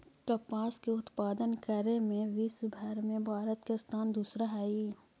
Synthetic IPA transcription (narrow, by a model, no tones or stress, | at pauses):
kɐpaːskeʊt̪paːd̪ənkəɾemẽʋisbʱəɾmẽbʱaːɾət̪kest̪ʰaːnd̪uːsɾaɦaːiː